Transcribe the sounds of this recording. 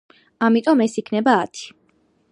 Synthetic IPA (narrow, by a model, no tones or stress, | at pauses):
amit̪ʼɔmɛsikʰnɛbaːt̪ʰi̥